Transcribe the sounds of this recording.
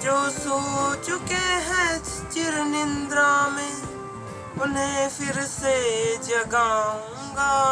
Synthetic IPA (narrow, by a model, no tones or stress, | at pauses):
d͡ʒoːsoːt͡ʃʊkeːɦɛ | t͡ʃɪɾnɪnd̪ɾaːmẽː | ʊnẽːpʰɪɾseːd͡ʒəɡaːũŋɡaː